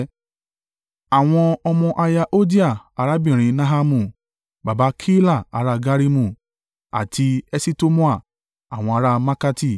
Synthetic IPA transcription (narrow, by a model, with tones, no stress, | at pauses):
a˨w̃ɔ̃˧ɔ˧mɔ̃˧ʔa˧ja˧ʔo˦di˦a˦˨a˨˦ɾa˦˨bĩ˦˨ɾ̃ĩ˧na˦ɦa˧mũ˨ | ba˨ba˧˦kʰi˦la˦˨a˨˦ɾa˧ɡa˦ɾi˦mũ˦˨ | a̰˨tʰi˧ɛ˦si˦to˦mũ˦a˦˨ | a˨w̃ɔ̃˧a˧ɾa˧ma˦ka˧ti˦˧˨